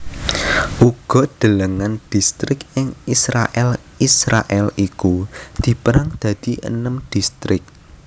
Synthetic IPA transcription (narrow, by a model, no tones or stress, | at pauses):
ʔuɡ̥ɔ̤d̪̥ə̤ləŋand̪̥i̤st̪ɾɪkɪŋisɾa̰ʔɛl | isɾa̰ʔɛlikud̪̥i̤pəɾaŋd̪̥ä̤d̪̥i̤ʔə̰nəmd̪̥ist̪ɾɪk̚